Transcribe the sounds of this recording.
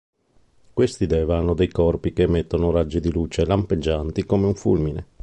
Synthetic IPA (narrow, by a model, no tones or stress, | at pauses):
kwest̪id̪ɛːvanod̪ejkɔrpikemːet̪ːonoɾad͡ʒːid̪iluːt͡ʃelamped͡ʒːant̪ikomeuɱfṵlmine